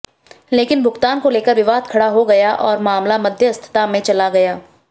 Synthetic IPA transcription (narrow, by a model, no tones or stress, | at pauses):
leːkɪnbʱʊɡt̪aːnkoleːkəɾʋɪʋaːd̪kʰɐɽaɦoɡɐjaʔɔːɾmaːmlamɐd̪ʱjəɐst̪ʰɪ̥t̪amẽt͡ʃɐlaɡɐjaː